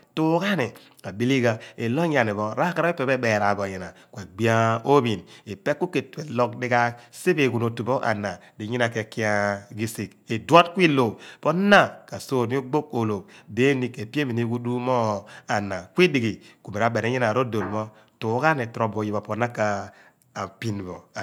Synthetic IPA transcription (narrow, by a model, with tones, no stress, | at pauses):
tu˦ka˦ne˨ | a˨bi˦li˦ɡa˨e˨lo˦ɲ˦a˨ne˨βɔ˦ɾa˦ka˦ɾa˦e˦pe˨be˦be˨ɾa˨bo˨ɲi˨na˨kwe˨ɡ͡bi˦a˦o˦bi˨ni˨pe˦kːu˦ke˨te˨lɔ˦k̚di˦ɡa˦se˦be˨ɡu˨no˨tu˨bo˦ʔa̰˨na˨di˨˦ɲi˦na˨ke˨ki˦a˦ɡi˦si˨ke˨dwa˦tkʷi˦lo˨po˦na˦ka˨so˦˨m˦o˦ɡ͡bo˦ko˨lo˨de˦ni˦ke˨pi˦e˦mi˨ni˦ɡu˦du˦mɔ˦a˨na˨kʷi˦di˨ɡi˨ku˨me˨ɾa˨˦be˨ne˦ɲi˦na˨ɾo˦do˨lmɔ˦ | tu˨˦ɡa˦ne˨tɾo˨bo˨ji˨ba˨po˦na˦kaː˨ | pi˦nbo˨